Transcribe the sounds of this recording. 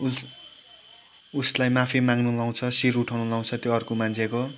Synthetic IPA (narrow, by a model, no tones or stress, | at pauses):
uslajmapʰimaŋɡnulaw̃t͡sʰʌsiɾuʈʰaw̃nulaw̃t͡sʰʌt̪joʌrkomant͡sʰeko